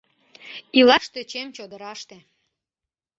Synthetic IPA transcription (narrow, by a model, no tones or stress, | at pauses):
ilɑʃt̪et͡ɕemt͡ɕod̪əɾɑʃt̪e